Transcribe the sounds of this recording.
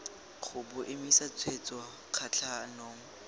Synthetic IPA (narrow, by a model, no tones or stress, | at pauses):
χʊbʊʔɪmisat͡sʰwet͡sʼwa | q͡χʰat͡ɬʰanoːŋ̩